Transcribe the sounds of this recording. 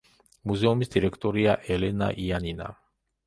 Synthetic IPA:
muzɛumisd̪iɾɛkʰt̪ʼɔɾiaʔɛlɛna̰ʔianina̰

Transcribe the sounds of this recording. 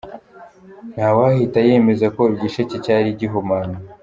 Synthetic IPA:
n̥hawahitaje̞me̞zakobɟiʃececaɾiɟiɦumani

